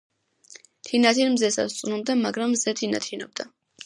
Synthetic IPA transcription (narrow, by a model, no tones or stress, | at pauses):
t̪ʰinat̪ʰinmzɛsa̰st̪sʼnumd̪amaɡɾamːzɛt̪ʰina̰t̪ʰinɔb̚d̪a